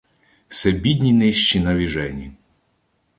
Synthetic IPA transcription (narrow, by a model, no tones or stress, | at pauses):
sɛbʲid̪ʲnʲinɪʃt͡ʃinɐʋʲiʒɛnʲi